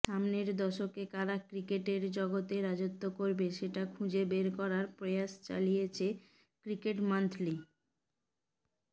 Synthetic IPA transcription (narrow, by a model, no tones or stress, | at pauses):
ʃamneɾd̪ɔʃokekaɾakɾikeʈeɾd͡ʑɔɡot̪eɾad͡ʑot̪ːokoɾbeʃeʈakʰũd͡ʑebeɾkɔɾaɾpɾejaʃt͡ɕa̰lijet͡ɕʰe | kɾikeʈmant̪ʰli